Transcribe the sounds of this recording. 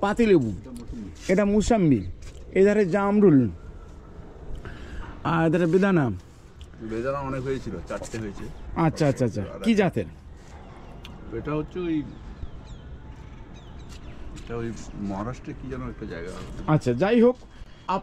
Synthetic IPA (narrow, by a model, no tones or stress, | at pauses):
pat̪ilebu | eʈamusambied̪ʱaɾed͡ʑamɾul | aed̪ʱaɾebed̪ʱana | bed̪ʱanaɔnekɦojet͡ɕʰilot͡ɕaʈt̪eɦojet͡ɕʰeatːɕʰaatːʰaatːt͡ɕʰa̰kid͡ʑat̪eɾ | eʈaɦotːʃʰeoj | eʈaojmɔɦaɾaʃʈɾekid͡ʑanoɛk̚ʈad͡ʑa̰eɡaɦɔatːʃʰad͡ʑajɦok̚ | a